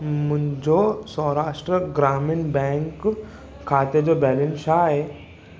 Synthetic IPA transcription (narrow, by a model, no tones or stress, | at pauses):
m̤əɳd͡zosɔ̃ɾaʂʈɾəɡɾaminbɛ̃ŋkʰː | at̪ed͡zobɛlensaɦe